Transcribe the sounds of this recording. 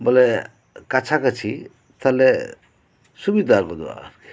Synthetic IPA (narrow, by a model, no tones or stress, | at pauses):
bole | kat͡ʃʰakət͡ʃʰi | t̪ale | subid̪ʱaɾkɔd̪ua̰